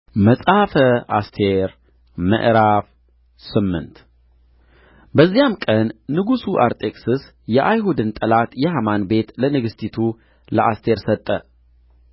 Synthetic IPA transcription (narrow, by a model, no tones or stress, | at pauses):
məsʼhafəast̪ʰe̞ɾ | mə̰ʔɾaf | sɨmːɨ̰nt̪ | bəzːijamkʼənːɨɡusuʔaɾt̪ʼekʼsɨs | jɛʔajhud̪ɨnt̪ʼəlat̪jɛhamanbe̞t̪lənɨɡɨst̪ʰit̪ʰu | ləʔast̪ʰe̞ɾsət̪ʼːə